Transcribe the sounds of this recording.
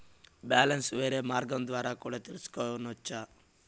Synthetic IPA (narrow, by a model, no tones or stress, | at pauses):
baːlɐnsʋeːɾeːmaːɾɡɐmd̪ʋaːɾakuːɽat̪ilisu̥kɔːʋɐnɔt͡ʃːa